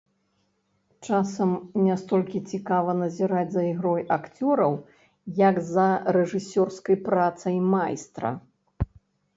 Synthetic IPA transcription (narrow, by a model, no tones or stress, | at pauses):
t͡ʂasɐmnʲast̪ɔlʲkʲit͡sʲikavɐnɐzʲiɾad͡zʲzɐiɣɾɔjakt͡sʲɔɾɐw | jɐɡzɐɾɛʐɨsʲɔrskɐjpɾat̪sɐjmajst̪ɾɐ̰